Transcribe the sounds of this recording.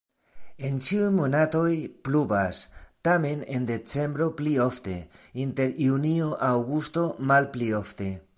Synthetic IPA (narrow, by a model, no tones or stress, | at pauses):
e̞nt͡ʃiujmo̞nato̞jplubastame̞ne̞nde̞t͡se̞mbɾo̞plio̞fte̞inte̞ɾjunioʔawɡusto̞malplio̞fte̞